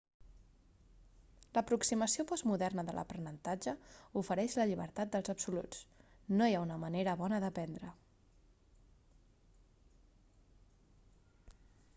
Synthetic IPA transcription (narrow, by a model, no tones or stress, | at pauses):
ləpɾuksiməsiopɔzmuðɛrnəðə̰lə̰pɾənənt̪ad͡ʒəufəɾɛʃləʎiβ̞ə̰ɾt̪at̪̚d̪əlˠzəpsulṵt͡snojaunəməneɾəβɔnəðəpɛnd̪ɾə